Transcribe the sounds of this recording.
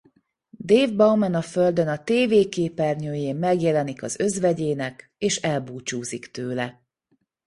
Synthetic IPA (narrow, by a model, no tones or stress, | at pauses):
d̪eːvbɒwmɛnɒføld̪ønɒt̪eːveːkeːpɛrɲøːjeːmːɛɡjɛlɛnikɒ̰zø̞zvɛɟeːnɛk | eːʃɛlbuːt͡ʃuːzikt̪øːlɛ